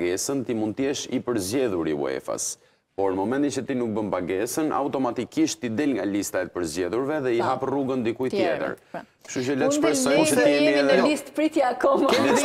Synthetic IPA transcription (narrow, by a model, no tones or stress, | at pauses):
ɡɛsənt̪imunt̪jɛʃipəɾzɟɛðuɾiṵɛ̰fa̰s | pɔɾnəmɔmɛnt̪it͡ʃət̪inuk̚bəmpaɡɛsəna̰wt̪ɔmat̪ikiʃt̪id̪ɛlŋɡalist̪aɛt̪̚pəɾzɛðuɾvɛðɛiɦapruɡənd̪ikujt̪jɛ̰t̪ə̰ɾ | ʃut͡ʃəlɛʃpɾɛsɔjkɔiɛniɛɛist̪pɾit̪jakɔm